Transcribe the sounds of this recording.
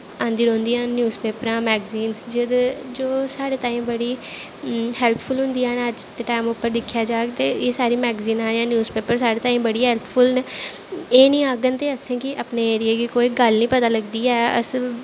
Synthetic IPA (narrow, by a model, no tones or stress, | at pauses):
ãːnd̪iːɾõːnd̪iːãːnjuːzpeːpəɾãːmɛːɡziːnsd͡ʒɪd̪d͡ʒoːsaːɽeːt̪aːĩːmbəɽiː | hɛːlpʰpʰʊlɦʊ̃nd̪iːãːnəd͡ʒd̪eʈaːɪmʊpːəɾd̪ɪkʰːjaːd͡ʒaːɡt̪eːeːsaːɾiːmɛːɡziːnãːjãːnjuːzpeːpəɾsaːɽeːt̪aːiːmbəɽiːɦɛːlpʰfʰʊln | eːnĩːaːɡənt̪eːəsẽːkɪʔəpneːeːɾɪeːɡikoːiːɡəlnĩːpət̪aːləɡd̪iːɛːə̰s